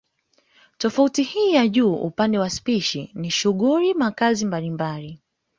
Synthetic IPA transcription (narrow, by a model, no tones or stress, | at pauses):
tɔfautihiːjaʄuːṵpandɛwaspiʃiniʃuɠuɾimakazimbalimbali